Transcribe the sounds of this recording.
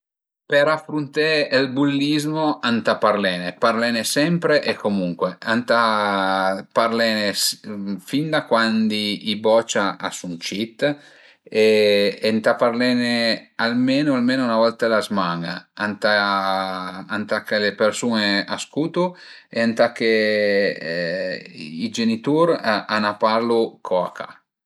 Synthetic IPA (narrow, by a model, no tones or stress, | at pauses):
peɾafɾunt̪eːlbulːizmoant̪aparlɛːneparlɛnesɛmpɾeʔekʰːomuŋkweant̪a | parlɛnesfind̪akwand̪iibɔt͡ʃaa̰sunt͡ʃit̪ː | eent̪aparlɛnealmeːnoalmeːnounavɔlt̪alazmaŋa̰ant̪a | ant̪akːelepersuːneaskuːt̪u | eant̪akːe | id͡ʒenit̪uɾanapaɾlukʰɔa̰kʰa̰